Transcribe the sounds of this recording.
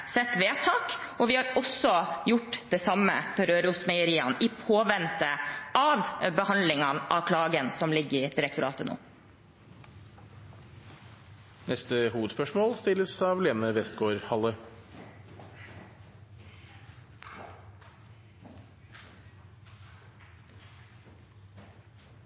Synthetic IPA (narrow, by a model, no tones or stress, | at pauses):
sɛt̪ʋeːt̪ʰɑːkoːʋɪːhɑːɾɔsɔjʊʈːd̪̥eːsɑməfɔɾøːɾəʊsmɛɪəɾiːɑniːpʰoːʋɛnt̪əɑʋbəhɑnd̪lɪŋɑnʔɑ̰ʋkʰlɑːɡənsɔmlɪɡːɾɪd̪̥ɪɾɛkt̪ʊɾɑ̰ːt̪əno̰ː | nɛst̪əhuːʋəd̪spœʂmoːlst̪ɪlːəsɑʋleːnəʋɛst̪ɡoːɾhɑlːə